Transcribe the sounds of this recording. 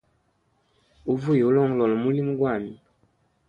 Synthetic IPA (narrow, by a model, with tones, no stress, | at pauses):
u˦vu˦je˨u˦lɔ˦ŋɡɔlɔ˨lɔ˨mu˦li˦mu˦ɡwa˦˨mi˨